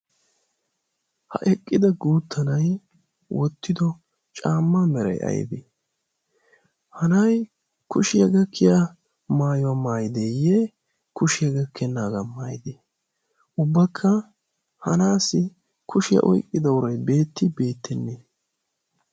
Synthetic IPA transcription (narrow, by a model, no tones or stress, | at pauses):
hɐ̰ʔɛkʼːɪd̪ɐɡuːt̪ʰːɐnɐj | wɔt̪ːɪd̪ɔ | t͡ʃʼaːmːɐmɛɾɐ̰jɐ̰j̰bḛː | hɐnɐj | kʰʊʃɪjɐɡɐkʰːɪjɐ | maːjɔwɐmaːjɪd̪eːje | kʊʃɪjɐɡɐkʰːɛnːaːɡɐmaːjd̪eː | ʔʊbːɐkʰːɐ | hɐnaːsɪ | kʰʊʃɪjɐ̰ʔɔ̰jkʼːɪd̪ɐwʊɾɐjbe̞ːt̪ːɪbe̞ːt̪ːɛnːeː